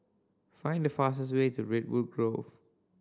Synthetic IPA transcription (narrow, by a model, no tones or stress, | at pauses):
fãɪ̃ndəfas̬əswetuɹɪt̚wud̚ɡɹov